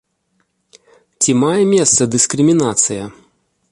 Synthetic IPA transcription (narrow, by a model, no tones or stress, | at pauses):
t͡sʲimajɛmʲɛst̪sɐd̪ɨskɾɨmʲinat̪sɨjɐ